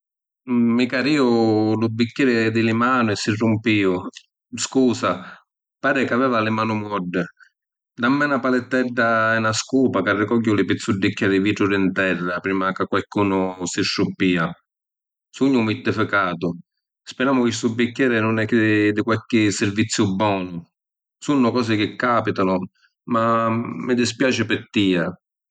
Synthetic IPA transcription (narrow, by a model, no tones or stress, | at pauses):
mːikaɾiːʊlʊbːikːɛːɾɪd̪ɪlɪmaːnʊɛsːɪrːʊmpiːʊ | skuːsa | paːɾɪkavɛːvalɪmaːnʊmɔɖːɪ | d̪amːɛnapalɪt̪ːɛɖːaɛnaskuːpakarːɪkɔɡːʊlɪpit̪sːuɖːikːɛːɾviːʈɾuɾɪnt̪ɛrːapɾiːmakɪkwalkuːnʊsɪʃːupːiːa | suɲːʊmit̪ːɪfɪkaːt̪ʊ | spɛɾaːmʊkɪsubːikʲːɛːɾɪnʊnɛkːɪd̪ɪkwalkɪsːɪɾvit̪sːjʊbːɔːnʊ | sunːʊkɔːs̬ɪkɪkːaːpit̪anʊ | mamːɪd̪ɪspjaːt͡ʃɪpɪt̪ːiːa